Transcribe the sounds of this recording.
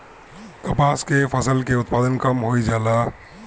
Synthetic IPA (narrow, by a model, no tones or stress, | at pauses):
kɐpaːskefʰɐsəlkeʊt̪̚paːd̪ənkɐmɦoːid͡ʒaːlaː